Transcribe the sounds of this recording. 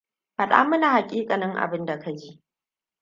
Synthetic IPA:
ha˨ɗa̰ː˦mʊ˦naː˨ha˨kʲʼiː˦kʼa˨nɐ˦ŋʔa̰˨bɪ˦nda˨kʰa˦d͡ʒiː˦ʔ

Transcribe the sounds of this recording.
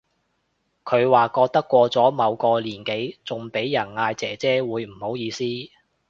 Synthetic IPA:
kʰɵ˨˧ɥwaː˨kɔː˧k̚t̪ɐ˥kːʷɔː˧t͡sɔː˨˥mɐ˨˧wkɔː˧liː˨˩nke˨˥jt͡sʊ˨ŋpe˨˥jjɐ˨˩nŋaː˧jt͡sɛː˨˥t͡sɛː˥wuː˨˧jm̩˨˩ho˨˥wjiː˧siː˥

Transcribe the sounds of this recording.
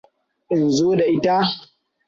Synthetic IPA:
ʔɪ˨nzoː˦da˨ʔɪ˦ta˦

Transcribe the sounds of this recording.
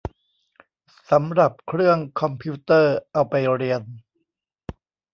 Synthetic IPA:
sa˩˦mɾa˨˩p̚kʰɾɯ˥˩əŋkʰɔ˧mpʰi˦˥t̪ɤː˥˩ʔa˧wpa˧jɾi˧ən

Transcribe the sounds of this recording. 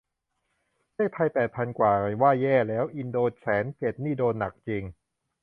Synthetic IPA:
daː˥˩jpʰa˧jpɛː˨˩t̪̚pʰa˧nkwaː˨˩waː˥˩jɛː˥˩lɛː˦˥wʔi˧ndoː˧t͡ɕʰɛː˩˦nt͡ɕe˨˩t̪̚niː˥˩doː˧nːa˨˩k̚t͡ɕe˧ŋ

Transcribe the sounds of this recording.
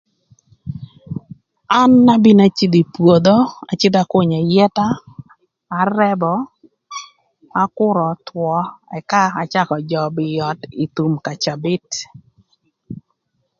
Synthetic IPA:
a˦nːa˦bɪ˦na˦t͡ʃɪ˦d̪i˨pwo˨d̪o˦a̰˨t͡ʃɪ˦d̪a˦ko˦ɲɔ˨jɛ˦taː˦˨ | rɛ˦bɔ˦ | a˨˦kʊ˦ɾɔ˨twɔ˨ɛ˨ka˦a˨t͡ʃa˦kɔ˨d͡ʒɔ˨bɪ˨jɔ˨ti˨t̪u˨mka˨t͡ʃa˨bɪ˦t

